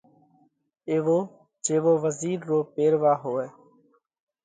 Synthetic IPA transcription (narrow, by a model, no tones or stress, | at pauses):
eːʋoː | d͡ʒeːʋoːʋəziːɾːoːpeːɾʋaːɦoːeː